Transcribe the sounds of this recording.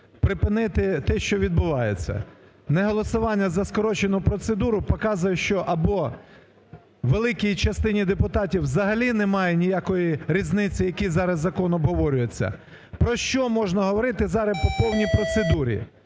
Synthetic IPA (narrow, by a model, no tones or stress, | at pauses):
pɾɪpɪnɪt̪ɪt̪ɛʃt͡ʃɔʋʲid̪bʊʋɑjet͡sʲːɐ̰ | neɦɔlˠɔsʊʋɑnʲːɐzɐskɔɾɔt͡ʃenʊpɾɔt̪sed̪uɾʊpɔkɑzʊjɛʃt͡ʃɔʔɐbɔ | ʋelˠɪkʲijt͡ʃɐst̪ɪnʲid̪epʊt̪ɑtʲiwzɐɦɐlʲinemɑjɛnʲijɑkɔjiɾʲiznɪt͡sʲijɐkʲizɑɾɐzːɐkɔnɔbɦɔʋɔɾʲʊjet͡sʲːɐ̰ | pɾɔʃt͡ʃɔmɔʒnɐɦɔʋɔɾɪt̪ɪzɑɾɐpɔpɔwnʲijpɾɔt̪sed̪uɾʲḭ